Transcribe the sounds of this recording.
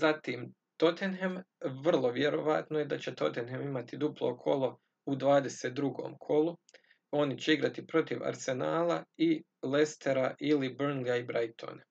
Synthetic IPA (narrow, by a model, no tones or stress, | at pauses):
zat̪iːm | t̪o̞t̪enɦemʋr̩lˠo̞ʋjeɾo̞ʋat̪no̞je̞d̪at͡ɕe̞t̪o̞t̪enɦemimat̪id̪uplˠo̰ːkʰo̞lˠo̞ | ud̪ʋaːd̪e̞seːt̪̚d̪ɾuɡo̞̰ːmkʰo̞lu | o̞nit͡ɕe̞iɡɾat̪ipɾo̞t̪iʋa̰ɾse̞naːlai | le̞st̪e̞ɾaʔilibrnlijaibɾajt̪ʰo̰ːna